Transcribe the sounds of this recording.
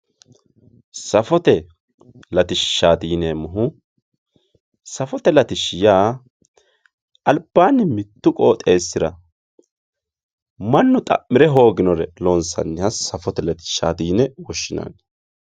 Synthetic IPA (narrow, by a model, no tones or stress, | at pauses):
sɐfɔt̪ɛ | lɐt̪ɪʃːaːd̪iːnɛmʊɦʊ | sɐfɔt̪ɛlɐt̪ɪʃːɪjaː | ɐlbːaːnːɪmɪt̪ːʊkʼoːt̪ʼe̞ːsːɪɾɐ̰ | mɐnːʊt̪ʼɐ̰mːɪɾɛɦo̞ːɡɪnɔɾɛloːnsɐ̰nːɪɐsɐfɔt̪ɛlɐt̪ɪ̥ʃːa̰ːd̪iːnɛwɔʃːɪna̰n